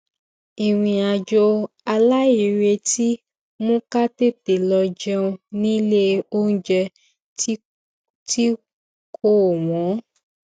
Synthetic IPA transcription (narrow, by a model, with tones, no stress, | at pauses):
i˨w̃ĩ˧a˧d͡ʒo˧ | a˧la˦i˨ɾe˧ti˦ | mũ˦ka˦te˦˨te˨lɔ˧d͡ʒɛ˦˧ũ˧nĩ˦le˦o˦n̩˦d͡ʒɛ˧˦ | ti˦ | kʰo˦˨wɔ̃˨˦